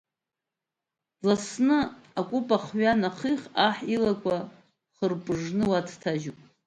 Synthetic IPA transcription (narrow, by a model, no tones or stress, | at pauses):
lasnɨakʷʼupʼaχɥanaχiχaħilakʷʰʼa | χərpʼʐnɨwatʰtʰaʒupʼ